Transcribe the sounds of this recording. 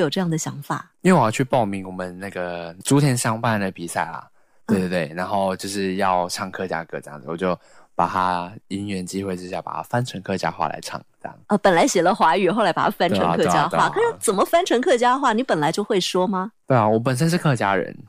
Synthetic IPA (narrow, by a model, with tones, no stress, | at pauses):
jo˩ʈ͡ʂɤ˧jɑ˥˩ŋd̪ə˩ɕjɑ˧˥ŋfa˨˩˦i˥we˥˩wjɑ˥˧t͡ɕʰy˥˩pɑ˥˩ʊmi˧˥ŋwɔ˨˩mə˦nna˥˩ɡə˩ʈ͡ʂu˥t̪ʰjɛ˧˥nɕɑ˥ŋpa˥˩nd̪ə˩pi˨˩sa˥˩ɪlɐ̰˩ | t̪we˥˧t̪we˥˩t̪we˥˩ɪna˧˥nxo˥˧ʊt͡ɕjo˥˧ʊʂɻ̩˥˧jɑ˥˧ʊʈ͡ʂʰɑ˥˩ŋkʰɤ˥˧˩t͡ɕja̰˥kɤ˥˧˩ʈ͡ʂɤ˥j̰ŋd͡zɹ̩˨wɔ˨˩t͡ɕjo˥˩ʊ | pa̰˨˩t̪ʰa˥i˥nɥɛ˧˥nt͡ɕi˥xwe˥˩ɪʈ͡ʂɻ̩˥ɕja̰˥˩pa̰˨˩t̪ʰa˦˥fa˥nʈ͡ʂʰə˧˥ŋkʰɤ˥˧t͡ɕja̰˥xwa̰˥˩la̰˧˥ɪʈ͡ʂʰɑ̰˥˩ŋʈ͡ʂjɑ̰˥˩ŋə˧˩pə˨˩nla˧˥ɪɕjɛ˨˩lə˦xwa˧˥y˨˩xo˥˩la˧˥ɪpa˨˩a˥fa˥nʰ˧ə˧ŋ˧kʰɤ˥˧˩t͡ɕja˥xwa˥˩kʰa˨˩˥ŋt͡sə˨˩nmə˦fa˥nʈ͡ʂʰə˧˥ŋkʰɤ˥˩t͡ɕja˥xwa˥˩ni˧˥pə˨˩nla˧˥ɪt͡ɕjo˥˧ʊxwe˥˩ɪʂwɔ˥mɐ˨t̪we˥˩ɪa˨˩wɔ˧˥p̬ə˨˩nʂ̬ə˥nʂ̬ɻ̩˥˧kʰɤ˥˧t͡ɕja˥ɻə̰˧˦n